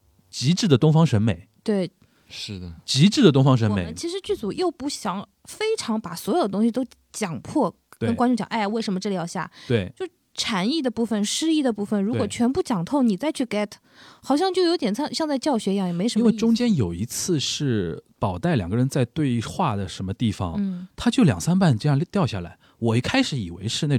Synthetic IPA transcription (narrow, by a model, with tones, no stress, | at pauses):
t͡ɕi˧˥ʈ͡ʂɻ̩˥˩d̪ə˩t̪ʊ˥ŋfɑ˥ŋʂə˧˥nme˨˩˦ɪt̪we˥˩ɪ | ʂɻ̩˥˩d̪ə˩t͡ɕi˧˥ʈ͡ʂɻ̩˥˩d̪ə˩t̪ʊ˥ŋfɑ˥ŋʂ̬ə˧˥nme˨˩ɪ˥t͡ɕʰi˧˥ʂɻ̩˧˥t͡ɕy˥˩t͡su˨˩jo˥˧ʊpu˥˩ɕjɑ˧˩ŋ | fe˥ɪʈ͡ʂʰɑ˧˥ŋpa˨˩swɔ˧˥jo˨˩d̪ət̪ʊ˥ŋɕi˧t̪o˥ʊ | t͡ɕjɑ˨˩ŋpʰwɔ˥˩ | kə˥nkwa˥nʈ͡ʂʊ˥˩ŋt͡ɕjɑ̰˨˩ʔa˥˧ɪ˩we˥˩ɪʂə˧˥mə˧ʈ͡ʂɻ̩˥˩ljɑ˧˥ʊɕja̰˥˩t̪we˥˩ɪt͡ɕjo˥˧ʊʂ̩˥˩ʈ͡ʂʰa˧˥ni˥˩d̪ə˩pu˥˩fə˨˩nʂɻ̩˥i˥˩d̪ə˩pu˥˩fə˩nɻu˧˥kwɔ˨˩t͡ɕʰɥɛ˧˥npu˥˩t͡ɕjɑ˨˩ŋt̪ʰo˥˩ʊni˨˩t͡sa˥˧ɪt͡ɕʰy˥˩kɛ˥˩t̪ʰ | xɑ˨˩ʊɕjɑ˥˧ŋt͡ɕjo˥˩ʊjo˧˥t̪ʲjɛ˨˩nɑ˥˧ɕjɑ˥˧ŋt͡sa˥˧ɪt͡ɕjɑ˥˩ʊɕɥɛ˧˥˧jɑ˥˩ŋjɛ˨˩me˧˥ɪʂə˧˥nwe˥˧ʈ͡ʂʊ˥ŋt͡ɕjɛ˥njo˨˩ʊi˧˥t͡sʰɹ̩˥˧ʂɻ̩˥˩pɑ˨˩ʊt̪a˥˩ɪljɑ˨˩ɡə˦ɻə˧˥nt͡sa˥˧ɪt̪we˥˧ɪxwa˥˩d̪ə˩ʂə˧˥nmə˧t̪i˥˩fɑ̰˨˩ŋ˥˩t̪ʰa˥t͡ɕjo˥˩ʊljɑ̰˨˩ŋsa˥npa˥˩nʈ͡ʂjɑ˥˧˥t̪jɑ˥˧ʊɕja̰˥˩la˧˥ɪ | wɔ˨˩i˥˩kʰa˥ɪʂɻ̩˧˥˦ḭ˨˩wḛ˧˥ɪʂɻ̩˥˧a˥˩